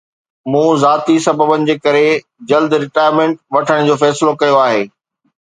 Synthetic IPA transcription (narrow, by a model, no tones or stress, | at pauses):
mũːzaːt̪isɐbəbənɪ̆d͡ʑeːkɐɾe | d͡ʑɐld̪ɾɪʈaːjɾmẽːɳʈʋɐʈʰəɽ̃d͡ʑoːfɛːsɪlokɐjoaːɦeː